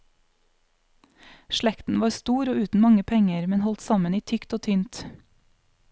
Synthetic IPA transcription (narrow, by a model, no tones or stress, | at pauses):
ʃlɛkt̪n̩ʋɑːɾst̪uːɾoːʉːt̪n̩mɑŋəpʰɛŋəɾmɛnhɔlt̪sɑməniːt̪ʰʏkt̪oːt̪ʰynt̪